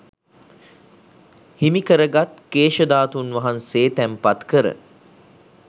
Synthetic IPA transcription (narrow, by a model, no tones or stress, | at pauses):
himikəɾəɡat̪keːʃəd̪aːt̪unʋaɦanseːt̪æmpat̪kəɾə̰